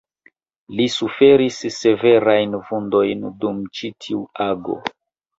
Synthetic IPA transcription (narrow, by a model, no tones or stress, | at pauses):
lisufe̞ɾisːe̞ve̞ɾajnvundo̞jndumt͡ʃitʰiuaɡo̰